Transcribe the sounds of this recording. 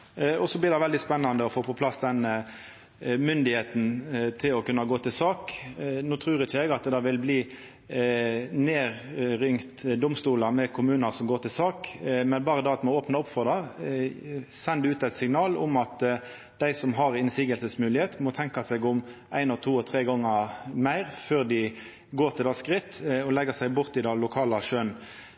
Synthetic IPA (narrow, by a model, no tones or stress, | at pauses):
ɔsɔblɪʁd̪ɛʋɛld̪ɪspɛnːɑnd̪əɔfoːpɔpʰlɑsd̪ɛnə | mʏnd̪ɪheːt̪nt̪ʰɪlɔkʉnːɑɡoːt̪ʰɪlsɑːknuːt̪ʰʁʉːɾɪçəɛɡɑt̪d̪ɑʋɪlbliː | neːʁɾʏŋt̪d̪ʊmst̪uːləmɛkʰʊmʉːnəʁsɔmɡoːʁt̪ɪlsɑːkmɛnbɑːʁəd̪ɑːɑt̪mɔoːpnɑʊpfɔʁd̪ɑ | sɛnd̪ʉʉːt̪æɪt̪sɪŋnɑːlʊ̰mɑt̪ | d̪̥æɪsɔmɦɑʁɪnsiːɡəlsəsmʉːlɪheːt̪mɔt̪ʰɛŋkɑsɛɡʊm | æɪnɔt̪ʰuːɔt̪ʰʁeːɡɔŋːəmæɪʁføːʁd̪ɪ | ɡoːʁt̪ʰɪlɑskʁɪt̪ːɔlɛɡːəsæɪbʊʁt̪ɪd̪ɑlʊkʰɑːlɑʃøːn